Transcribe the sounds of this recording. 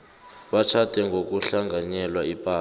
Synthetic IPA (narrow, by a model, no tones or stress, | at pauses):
ɓat͡ʃʰatʼɛŋɡʱok̬ʼuɬaŋɡʱaɲɛlwaipʼaː